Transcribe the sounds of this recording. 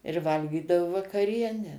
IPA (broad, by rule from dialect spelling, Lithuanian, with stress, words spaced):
ɪr ˈʋɐlʲɡʲiːdɐʋʊ ʋɐkɐˈrʲiɛnʲæː